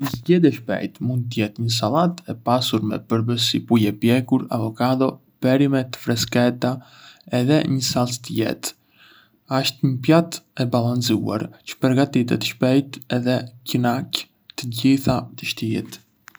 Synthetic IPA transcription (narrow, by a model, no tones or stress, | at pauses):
əzɟɛd̪iɛʃpɛ̰jt̪mund̪̚t̪əjɛt̪ɲəs̬alˠat̪ɛpasuɾmɛ̰pəɾbəsipujɛpjɛkuɾa̰vɔkad̪ɔ | pɛɾimɛt̪ə̥fɾɛskɛt̪a | ɛðɛɲəsalst̪əjɛ̰t̪ | aʃt̪ɲəpjat̪ɛbalˠansua̰ɾt͡ɕə̥pəɾɡat̪it̪ɛt̪ə̥ʃpɛjt̪ɛðɛcinak | t̪əɟiθat̪əʃt̪iɛ̰t̪